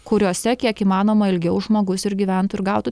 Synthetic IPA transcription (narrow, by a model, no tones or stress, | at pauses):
kʊɾʲoːsʲɛkʲiɛkiːmɑːnoːmɐɪlʲɡʲɛʊʒmoːɡʊsɪɾɡʲiːʋʲæˑnt̪ʊɪɾɡɑˑʊt̪u